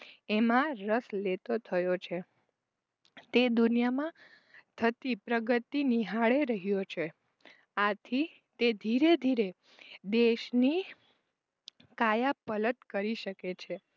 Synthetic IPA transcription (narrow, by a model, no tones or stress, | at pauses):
emãɾəslet̪ot̪ʰəjot͡ʃʰe | t̪ed̪unijamã | t̪ʰət̪ipɾəɡət̪iniɦaɭeɾəɦijot͡ʃʰe | at̪ʰi | t̪ed̪ʱiɾed̪ʱiɾe | d̪eʃni | kajapələt̪kəɾiʃəket͡ʃʰe